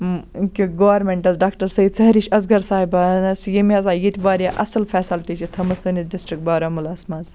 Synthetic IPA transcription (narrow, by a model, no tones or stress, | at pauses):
kiɡɐːʋɐɾmeɳʈɐzɖaːkʈɐɾsɐid̪̚t͡sɐɦɾiʃʲɐzɡɐɾsaːɦibaːnɐsjimiɐzaːjit̪ʲʰbaːɾijaʔɐsɐlfʰɛːsɐlt̪it͡ʃʰit̪ʰɐmɐsɨnisɖisʈɾik̚ʈ̚baːɾɐmulɐːsmaːz